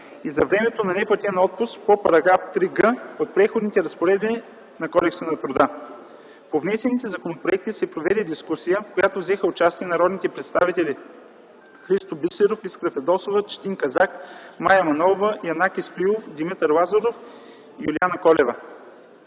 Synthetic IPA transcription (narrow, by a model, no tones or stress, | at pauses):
izɐvɾɛmɛt̪onɐnɛpɐt̪ɛnɔt̪̚pʊstpopɐɾɐɡɾaft̪ɾiɡəot̪̚pɾɛxod̪nit̪ɛɾɐspoɾɛd̪bi | nɐkɔd̪ɛksənɐt̪ɾʊd̪a | povnɛsɛnit̪ɛzɐkonopɾoɛk̚t̪isɛpɾovɛd̪ɛd̪iskusijəfkojat̪ovzɛxəʊt͡ʃast̪iɛnɐɾɔd̪nit̪ɛpɾɛt̪st̪avit̪ɛli | xɾist̪obisliɾofiskɾəfɛd̪ɔsovət͡ʃt̪iŋkɐzakmajɐmɐnɔvəijɐnakist̪iofd̪imit̪əɾlˠazoɾof | ijulianɐkɔlɛvə